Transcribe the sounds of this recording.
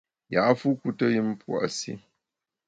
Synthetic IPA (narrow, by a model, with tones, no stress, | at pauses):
ja˨˦fu˦ku˦tə˦jɨ˦m˦pwa̰˦˨ʔsḭ˦